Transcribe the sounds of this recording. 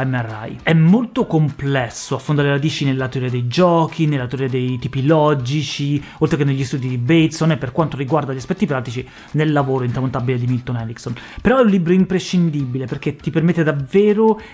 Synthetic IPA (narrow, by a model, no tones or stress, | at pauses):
ɛmara̰jɛmːolt̪okomplɛsːoafːond̪aɾeeɾad̪iːt͡ʃinelːat̪eoɾiad̪ejd͡ʒɔːkʰinelːat̪eoɾiad̪ejt̪iːpilɔd͡ʒit͡ʃi | olt̪ɾekenːeʎːist̪uːd̪id̪ibet̪sonːepːerkwant̪oɾiɡward̪aʎːaspɛt̪ːipɾaːt̪it͡ʃi | nelːavoːɾoint̪ɾamont̪abiled̪imilt̪onɛɾiksonpeɾɔɛũnlibɾoimpɾeʃːind̪ibileperk̟et̪ːipermet̪ːed̪avːeːɾo